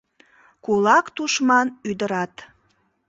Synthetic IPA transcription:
kulɑkt̪uʃmɑnyd̪əɾɑt̪

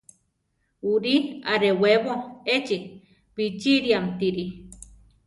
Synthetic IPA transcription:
uɾiaɾeweβoet͡ʃi | pit͡ʃiɾiamt̪iɾi

